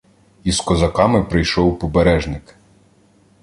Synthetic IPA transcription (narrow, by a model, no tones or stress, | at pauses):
iskɔzɐkɑmɪpɾɪjʃɔwpɔbeɾɛʒnɪk